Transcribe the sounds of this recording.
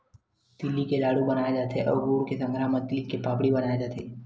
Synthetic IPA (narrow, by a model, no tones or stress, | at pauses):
d̪̥ɪlːikelaːɽubɐnaːjed͡ʒaːt̪eʔɔ̰ːɾɡuːɽkesɐ̃ŋɡʱɾaːɦməlikːepaːpɽibɐnaːjed͡ʒaːt̪ʰeː